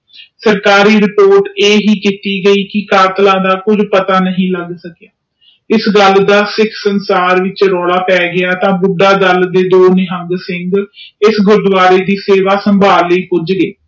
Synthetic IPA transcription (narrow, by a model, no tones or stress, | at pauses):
səɾkaːɾiːɾɪpoːɾʈeːɦiːkiːt̪iːɡəiːkɪkaːt̪lãːd̪aːkʊd͡ʒpət̪aːnəɦĩːləɡsəkjaː | ɪsɡəld̪aːsɪkʰsənsaːɾʋɪt͡ʃɾɔːɽaːpɛːɡɪaːt̪ãːbʊɖaːd̪əld̪eːd̪oːnɪɦə̃ŋɡsɪŋɡɪsɡʊɾd̪ʊʋaːɾeːd̪iːseːʋaːsəmbʱaːlːəiːpʊd͡ʒɡeː